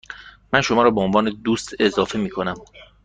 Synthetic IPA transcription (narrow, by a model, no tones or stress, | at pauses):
mænʃo̞mɒːɾɒːbeonvɒːne̞d̪uːst̪e̞zɒːfemiːkʰo̞næm